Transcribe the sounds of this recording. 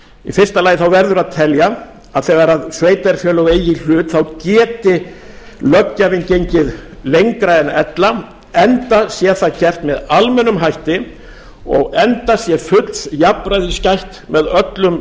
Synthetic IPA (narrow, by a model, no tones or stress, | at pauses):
ḭfɪr̥st̪alaːjɪθawvɛɾðʏɾaðt̪ʰɛlja | aðθɛːɣaɾaðsveːjt̪ɛɾ̥fjœːlɔɣeːjɪl̥ʏːt̪θawcɛːt̪ɪlœcːavɪncejɲcɪðlejŋkɾaɛnɛt̪la | ɛnt̪asjɛθaðcɛr̥t̪mɛðalmɛnʏmɦajht̪ɪ | ɔ̰ɣɛnt̪asjɛfʏt̪lsjapɾajðiscajht̪mɛðœt̪lʏm